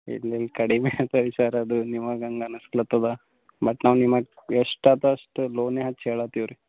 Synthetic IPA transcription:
ḭlːelkɐɽimeːɐpɐɾisaːɾɐːd̪unimɐɡɐŋɡɐnɐsklɐt̪ːɐd̪ɐ | bɐʈnaːʋnimːɐɡeʂʈaːt̪ɐːʂʈuloːneːɦɐt͡ʃːeːɭaːt̪iʋɾu

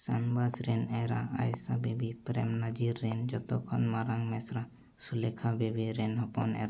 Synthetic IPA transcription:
sanbasɾɛnɛɾaa̰jsabebipɾɛmnad͡ʒiɾːɛnd͡ʒɔt̪ɔkʰɔnmaɾaŋmɛsɾa | sulɛkʰabebiɾɛnɦɔpɔnɛ̰ɾa

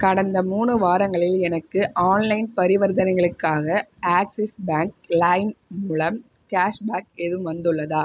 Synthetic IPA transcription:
kɐɽɐnd̪ɐmuːɳɯʋaːɾɐŋɡɐɭɪlɛnɐkːɯʔaːnlɐɪnpɐɾɪʋɐɾðɐnɐɪɣɐɭɯkːaːɣɐaːksɪsbaːŋk̚lɐːɪnmʊɭɐm | kaːʂbaːkɛðɯmʋɐnd̪ɯɭːɐðaː

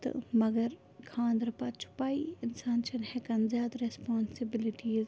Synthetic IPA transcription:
t̪mɐɡəɾ | kʰãːnd̪ɾɐpɐt͡ʃʰʊ̥paːiɪnsaːnʃɐnhɛkɐnzjaːd̪ɾespaːnsɪbɪlɪʈiːz

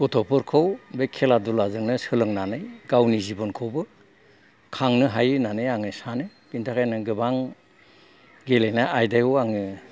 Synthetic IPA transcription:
ɔtʰɔpʰɯɾkʰɔwbekʰeladulazɯŋnɯsɯlɯŋnanɯjɡawnizibɔnkʰɔwbɯ | kʰaŋnɯɦajɯnanɯjaŋɯsanɯɡintʰakʰajnɯɡɯbaŋ | ɡelejnaʔajdajɔaŋɯ

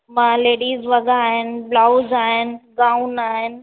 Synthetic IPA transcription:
mãːleːɽiːzʋɐɠaːɦɪnɪ̆blaːʊzaːɦɪnɪ̆ɡaːʊnaːɦɪnɪ̆

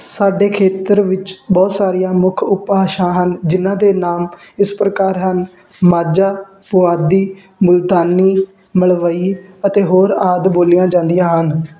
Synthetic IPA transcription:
saːɖeːkʰeːt̪əɾʋɪt͡ʃbɔːt̪saːɾijãːmʊkʰʊpaːʃãːɦənd͡ʒɪnãːd̪eːnaːm | ɪspɾəkaːɾɦən | maːd͡ʒaː | pʊaːd̪iː | mʊlt̪aːniː | məɭʋəiːət̪eːɦoːɾaːd̪boːlɪjãːd͡ʒãːnd̪ɪjãːɦən

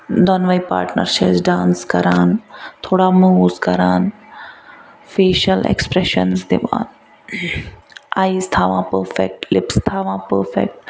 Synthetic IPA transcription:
d̪ɔnʋaipa̰ːɾʈnə̰ɾʃɪsɖãːnskɐɾaːnt̪ʰoːɽaːmuzkɐɾaːn | feːʃəlɛ̰kspɾɛʃə̰nsd̪ɪʋã̰ːn | aːizt̪ʰaʋãːpəɾfɛk̚ʈlɪpst̪ʰaʋãːpəɾfɛ̰k̚ʈ̚

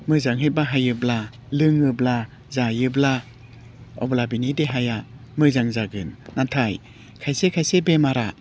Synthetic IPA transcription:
mɯjzaŋɦɯj̚baɦajɯbla | lɯŋɯbla | zajɯbla | ɔ̰blabinideɦaja | mɯjzaŋzaɡɯnːatʰaj | kʰajsekʰajsebemaɾa

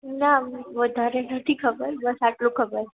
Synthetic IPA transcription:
naʋəd̪ʱaɾenət̪ʰikʰəbəɾbəsaʈlũkʰəbəɾ

